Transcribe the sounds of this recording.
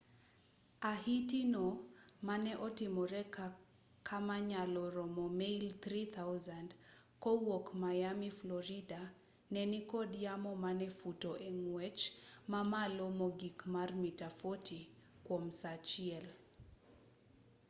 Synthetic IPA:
ahitinɔmanɛʔɔtimɔɾɛka | kʰamaɲalɔɾɔmɔmeilt̪ɾit̪ʰawzand | kɔwokmajamiflɔɾida | nɛnikɔdijamɔmanɛfutɔʔɛŋwɛt͡ʃmamalɔmɔɡikmarmitafɔti | kwɔmsat͡ʃiɛl

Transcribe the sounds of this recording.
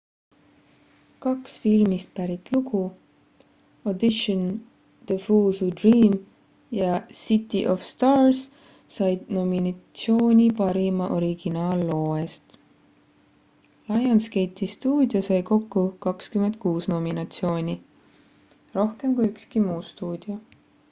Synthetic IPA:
kɑksfilmist̪̚pæɾit̪ˑluɡ̥u | od̪iʃon | d̪̥efuːsud̪riːm | jɑsit̪ːˑḭʔofst̪ɑːrs | sɑjd̪̥no̞minɑt̪sio̞ːnʲipɑɾimɑʔo̞ɾiɡ̥inɑːlːo̞ːest̪ | lɑjɑnske̞jt̪ːist̪uːd̪̥josɑjko̞kːukɑkskymend̪̚kuːsno̞minɑt̪sio̞ːnʲi | ro̞hke̞mkujykskimuːst̪uːd̪̥io

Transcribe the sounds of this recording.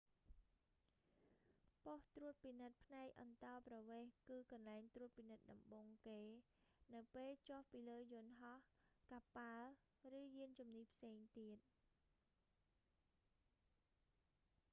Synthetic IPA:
poht̪ruət̪̚pinɨt̪̚pʰnaɛk̚ʔɑ̰nt̪ɑːprɑʋeːhkɨːkɑnlaɛŋt̪ruət̪̚pinɨt̪̚ɗɑmɓoːŋkeː | nɨwpeːlt͡ɕohpiːləːjʊnɦɑhkaːpal | rɨːjiənt͡ɕumnipʰseːŋt̪iət̪̚

